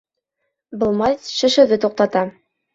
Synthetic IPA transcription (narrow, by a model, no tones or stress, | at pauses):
bɤ̆lˠmɑsʃɘ̆ʃɘ̆ðɘt̪uq̚t̪ɑt̪ɑ